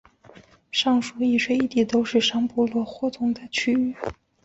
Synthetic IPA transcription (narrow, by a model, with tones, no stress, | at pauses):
ʂɑ˥˩ŋʂu˨˩i˥˩ʂwe˥˧ɪi˥˩t̪i˨˩t̪o˥ʊʂɻ̩˥˩ʂɑ˥ŋpɔ˥lwɔ˥˩xwɔ˥˩t͡s̪ʰʊ˥ŋd̪ə˨t͡ɕʰy˥y˥˩